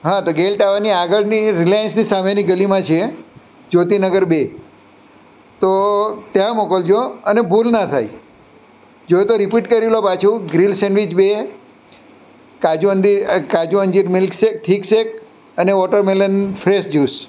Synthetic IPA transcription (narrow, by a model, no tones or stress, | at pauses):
ɦãt̪oɡelʈaʋaniaɡəɭniɾilajənsnisameniɡəlimãt͡ʃʰe | d͡ʒot̪inəɡəɾbe | t̪ot̪jãmokəld͡ʒoənebʱulnat̪ʰaj | d͡ʒoet̪oɾipiʈkəɾilopat͡ʃʰũɡɾilseɳʋid͡ʒbe | kad͡ʒuənd̪ikad͡ʒuə̃nd͡ʒiɾmɪlksek̚ʈʰiksek | əneʋɔʈəɾmelənfʰɾesd͡ʒus